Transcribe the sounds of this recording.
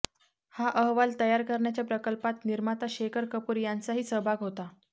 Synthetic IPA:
haʔəɦʋalt̪əjaɾkəɾɳjat͡ɕjapɾəkəlpat̪niɾmat̪aɕekʰəɾkəpuːɾjant͡saɦiːsəɦbʱaɡɦot̪a

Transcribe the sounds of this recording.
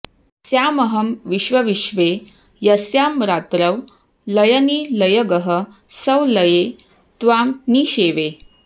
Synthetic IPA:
sjaːməɦəmʋiɕʋɐʋiɕʋe | jɐsjaːmɾat̪ɾəʋ | lɐjəniːlɐjəɡəɦə | səwləje | t̪ʋaːmniːɕeʋe

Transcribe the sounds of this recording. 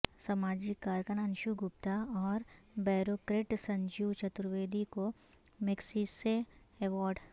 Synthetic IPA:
sɐmaːd͡ʒɪkːaːɾkənənʃuɡʊp̚t̪aɔːɾbɛːɾoːkɾeːʈsɐ̃ɲd͡ʒut͡ʃɐt̪ɾʋeːd̪iko | mɪksiːseɛʋɔːɾɖ

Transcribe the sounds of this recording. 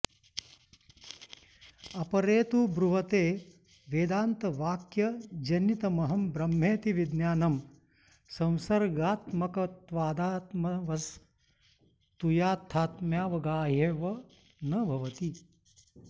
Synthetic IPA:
ɐpɐɾeːt̪ubɾuʋɐt̪eː | ʋeːd̪aːnt̪ɐʋaːkjɐd͡ʒɐnjit̪ɐmɐɦɐmbɾɐmːeːt̪iʋid̪njaːnɐm | sɐ̃w̃sɐɾɡaːt̪mɐkɐt̪ʋaːd̪aːt̪mɐʋɐs | t̪ujaːt̪ʰːaːt̪mjaːʋɐɡaːɦeːʋɐ | nɐbʱɐʋɐt̪i

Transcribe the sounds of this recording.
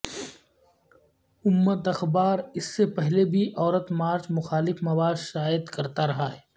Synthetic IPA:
ʊmːət̪ɐxbaːɾɪsːepɛɦlebʱiʔɔːɾət̪maːɾt͡ʃmʊxaːlɪfmɐʋaːʃaːɪd̪kɐɾt̪aɾɐɦaɦɛː

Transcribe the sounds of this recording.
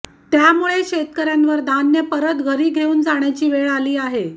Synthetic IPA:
t̪jamuɭeɕet̪kəɾjanʋəɾd̪ʱanjəpəɾət̪ɡʱəɾiːɡʱeuːnd͡zaɳ̃jat͡ɕiːʋeɭaliːaɦe

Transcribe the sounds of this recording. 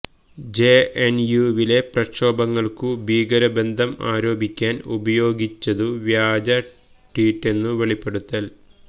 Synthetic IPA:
d͡ʑeenjuʋile̞prɐkʂo̞ːbɐŋːɐɭkubʱiːɡɐɾɐbe̞nd̪ʱɐma̰ːɾo̞ːbʱikʲːaːnṵbɐjo̞ːɡit͡ɕːɐðuʋjaːd͡ʑɐ | ʈiːʈːe̞nːɨʋeɭipːe̞ɽut̪ːɐl

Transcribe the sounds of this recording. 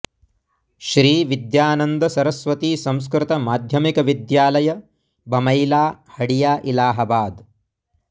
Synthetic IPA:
ʃɾiːʋid̪jaːnɐnd̪ɐsɐɾɐsʋɐt̪iːsɐ̃ms̬kɾɪt̪ɐmaːd̪ʱjɐmikɐʋid̪jaːlɐjɐ | bɐmɐjlaːhɐɽijaːʔilaːɦɐbaːd̪

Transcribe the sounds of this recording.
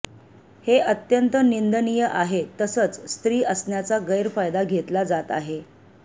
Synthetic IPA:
heʔət̪jənt̪ənind̪ənijəʔaɦet̪əsət͡sst̪ɾiːəsɳjat͡saɡəjɾfajd̪aɡʱet̪lad͡zat̪a̰ɦe

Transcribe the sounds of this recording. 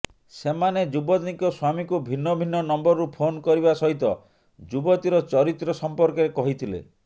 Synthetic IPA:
semaned͡ʒubɔt̪nikɔswamikubʱinːɔbʱinːɔnɔmbɔɾɔɾupʰonkɔɾibasɔɦit̪ɔ | d͡ʒubɔt̪iɾɔt͡ʃɔɾit̪ɾɔsɔmpɔɾkɔɾekɔɦit̪ʰilḛ

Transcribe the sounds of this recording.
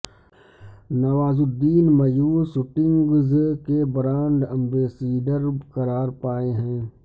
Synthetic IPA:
nɐʋaːzʊd̪ːiːnmɐjuːsʊʈɪ̃ŋɡzkebɾaːɳɖə̃mbeːseːɖəɾkɐɾaːɾpaːeɦɛ̃ː

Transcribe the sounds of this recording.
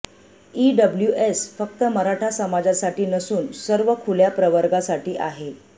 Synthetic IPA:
iɖəbljuʔesfək̚t̪əməɾaʈʰasəmad͡zasaʈiːnəsuːnsəɾʋəkʰuljapɾəʋəɾɡasaʈiːʔaɦe

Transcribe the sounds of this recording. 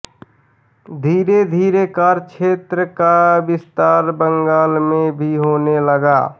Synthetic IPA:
d̪ʱiːɾed̪ʱiːɾekaːɾkt͡ʃʃʰeːt̪ɾəkabɪst̪aːɾbə̃ŋɡaːlmẽbʱiɦoːneləɡaː

